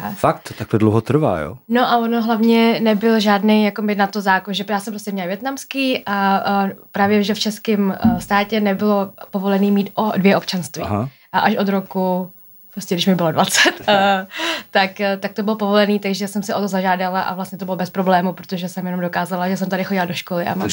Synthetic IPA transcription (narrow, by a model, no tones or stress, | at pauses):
fakt̪t̪aklɛdlowɦot̪ɾ̩va̰ːjo̰no̞ʔavonoɦlavɲɛnɛbɪlʒaːdnejjakomɪt̪nat̪ozaːkonʒɛjaːsɛmpɾoscɛmɲɛlvjɛt̪namskiːʔa | pɾaːvjɛʒɛft͡ʃɛskɪmst̪aːcɛnɛbɪlopo̞vo̞lɛniːmiːt̪ʔodvjɛʔo̞pt͡ʃanst̪vḭːɦa | ʔaʔaʃʔo̞d̪ɾoku | pɾoscɛdɪʃmɪbɪlodvat͡sɛt̪ː | akːt̪ak̚t̪obɪlopo̞volɛniːt̪aɡʒɛsɛmsɛo̞t̪ozaʒaːdalaʔa̰vlast̪ɲɛt̪obɪlobɛspɾoblɛːmupɾot̪o̞ʒɛsɛmjɛnomdo̞kaːzalaʒɛs̬ɛmt̪adɪxo̞ɟɪlado̞ʃkolɪʔa̰ma